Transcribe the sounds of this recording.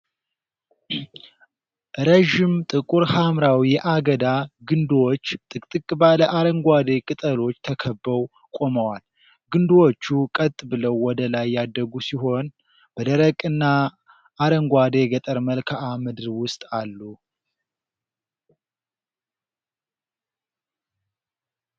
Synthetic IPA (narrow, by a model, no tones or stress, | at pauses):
ɾəʒɪmt̪ʼɨkʼuɾhamɾawijɛʔaɡəd̪aɡɨnd̪wot͡ʃːt̪ʼɨkʼt̪ʼɨkʼbaləʔaɾəŋɡʷad̪e̞kʼɨt̪ʼəlo̞t͡ʃːt̪ʰəkʰəbːəw | kʼo̞məwal | ɡɨnd̪wot͡ʃːukʼət̪ʼbɨləwːɔd̪əlajːad̪ːəɡusiɦo̞n | b̥əd̪əɾəkʼɨnːa | aɾəŋɡʷad̪e̞ɡət̪ʼəɾməlkʰaamɨd̪ɨɾwʊst̪ʼalːu